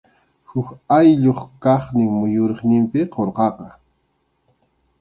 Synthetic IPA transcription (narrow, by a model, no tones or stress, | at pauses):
hʊkajʎoχkɑχnɪŋmʊjoɾɪχnɪmpɪqoɾqɑqɑ